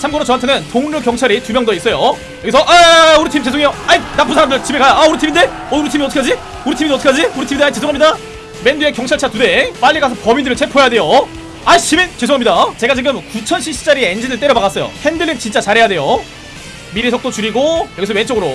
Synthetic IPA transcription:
t͡ɕʰamɡʌɾot͡ɕʌantʰenɯntoŋɲukjʌŋt͡ɕʰʌɾitumjʌŋdois͈ʌjo | jʌɡisʰʌʔauɾitʰimt͡ɕe̞sʰoŋejoainapʰɯnsʰaɾamndɯɭt͡ɕibekajaauɾɯtʰiminde | ʌuɾutʰimiʌtʰʌkʰad͡ʑi | uɾitʰimitʰk͈ʰad͡ʑiuɾitʰimindait͡ɕesʰoŋamɲida | menduekjʌŋt͡ɕʰʌɭt͡ɕʰatude̞p͈aʎːiɡas̬ʰʌpʌmidɯɾɯɭt͡ɕʰepʰoejadwe̞jo | ait͡ɕiment͡ɕe̞sʰoŋamɲidat͡ɕe̞ɡat͡ɕiɡɯmkut͡ɕʰʌnɕʰiɕ͈ʰi̥t͡ɕ͈aɾieend͡ʑidɯɭt͈e̞ɾʌbaɣas͈ʌjo̰hendɯɭːint͡ɕint͡ɕ͈at͡ɕaɾɦe̞jade̞jo | miɾisʰʌk̚t͈ot͡ɕuɾiɡojʌɡisʰʌwent͡ɕ͈ʌɡɯɾo

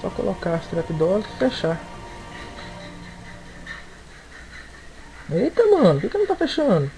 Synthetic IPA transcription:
sɔ̰ko̰lʔo̰kaɾst̪ɾɛt̪id̪ɔlɐsɪ̥feʃa | ejt̪ɐmɐ̃nʊkekɪnɐ̃w̃t̪afeʃɐ̃d̪ʊ

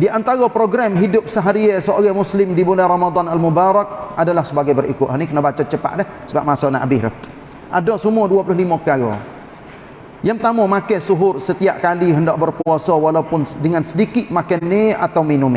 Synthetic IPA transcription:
diʔant̪aɣɔpɾoɡɾamɦidʊp̚səɦaɾiɛsəoɡamuslɪmdibulɛɾamad̪ˤanalmubaɾak̚adalahsəbaɡajbərḭkʊʔ̪ɦanikənabat͡ʃat͡ʃəpa̰ʔdɛh | səbap̚masɔnaʔabɪhɾɛ | ʔadɔʔsəmuaduapulʊɦlimakaɡɔ̰ | jaŋt̪amɔmakɛsuɦʊrsət̪ia̰ʔkaliɦəndaʔ̚bərpuasɔwalaupʊndəŋansədikɪʔ̪makɛnːea̰t̪awminʊme

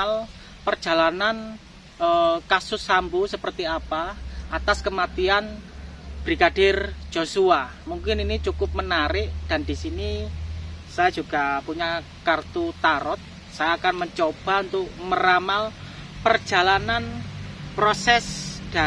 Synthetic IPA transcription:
l | pərd͡ʒ̥a̤lanan | əkasʊsːambusəpərt̪iapaʔat̪askəmat̪ian | b̥ɾiɡadɪrd͡ʒ̥osua | muŋkɪninit͡ʃukʊp̚mənaɾɪʔd̥andisini | sajad͡ʒuɡ̥apuɲa | kart̪ut̪aɾɔt̪̚ | sajaːkanməɲt͡ʃob̥aunt̪ʊk̚məɾamal | pərd͡ʒ̥a̤lananpɾosɛsd̥a

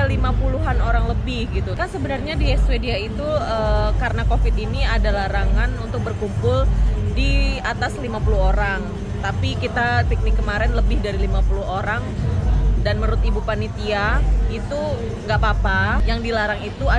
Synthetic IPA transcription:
alimapuluɦanoɾaŋləbɪhɡit̪ukansəbənarɲadiɛswediait̪uəkaɾənakofɪt̪iniadalaɾaŋanunt̪ʊk̚bərkumpʊldiat̪aslimapulʊɦoɾaŋ | t̪apikit̪ap̪ik̚nɪkːəmaɾɛnləbɪhdaɾilimapulʊɦoɾaŋ | danməɾʊt̪ibupanit̪iait̪u | ŋɡapapajaŋdilaɾaŋit̪ua

